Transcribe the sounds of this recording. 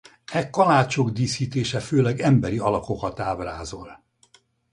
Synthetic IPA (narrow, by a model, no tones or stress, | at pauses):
ɛkɒlaːt͡ʃoɡd̪iːsiːt̪eːʃɛføːlɛɡɛmbɛɾiɒlɒko̞kɒt̪aːbraːzo̞l